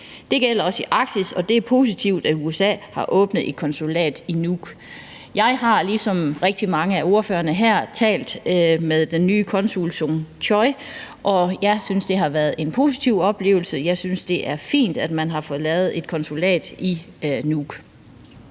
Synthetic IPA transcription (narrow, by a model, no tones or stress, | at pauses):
d̥e̝ɡ̥el̰ɐɒ̽siʔɑ̈ɡ̥̚d̥isɒ̽d̥e̝æɐpʰo̝ːs̬it͡sʰiʊ̰d̥æuesɛ̰ːhɑ̈ʔɔ̽ːb̥n̩ð̩ˠe̝d̥̚kʰɒ̽nsulɛ̰ːd̥inuɡ̥ | jɑ̈ɪɦɑ̈lisɒ̽mʁeɡ̥̚d̥imɑ̈ŋəæo̝ɐføːɐnəɦæɐ̰t͡sʰɛ̰ːld̥meðˠd̥enːyːkʰɒ̽nsulsoŋt͡ɕʰɒɪ | ʔɒ̽jɑ̈ɪsynsd̥e̝ɦɑ̈ʋæɐð̩ˠe̝npʰo̝̰ːsit͡sʰiʊ̰ɒ̽b̥le̝̰ːʊl̩səjɑ̈ɪsynsd̥e̝ʔæɐfḭːnd̥æd̥mænɦɑ̈fɔ̽ːðˠlɛːʊð̩ˠe̝d̥̚kʰɒ̽nsulɛ̰ːd̥i | nuɡ̥